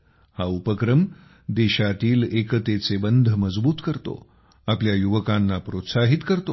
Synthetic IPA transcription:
haupəkɾəm | d̪eɕat̪iːlekət̪et͡sebənd̪ʱəməd͡zbuːt̪kəɾt̪o̰ | apljajuʋəkanːapɾot̪saɦit̪kəɾt̪o

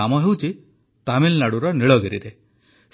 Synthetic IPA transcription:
amɔɦewt͡ʃi | t̪amilnaɽuɾɔniɭɔɡeɾḭɾe | s

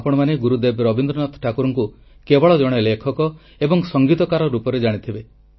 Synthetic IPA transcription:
apɔɽ̃ɔmaneɡuɾud̪ebɾɔbind̪ɾɔnɔt̪ʰʈʰakuɾɔŋku | kebɔɭɔd͡ʒɔɽ̃elekʰɔkɔ | ebɔŋsɔŋɡit̪ɔkaɾɔɾupɔɾed͡ʒaɽ̃it̪ʰibe

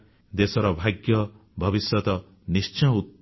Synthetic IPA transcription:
d̪esɔɾɔbʱaɡjɔ | bʱɔbisjɔt̪ɔ | nist͡ʃɔ̃ut̪̚

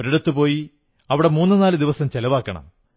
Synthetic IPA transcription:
ɾɐɽut̪ːupo̞ːji | ɐʋiɽe̞muːnːɨnaːlɨd̪iʋɐsɐmt͡ɕelɐʋaːkːɐɳɐ̰m

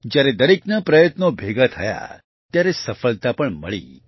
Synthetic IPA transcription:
d͡ʒjaɾed̪əɾeknapɾəjət̪nobʱeɡat̪ʰəja̰ | t̪jaɾesəfəlt̪apəɳməɭḭ

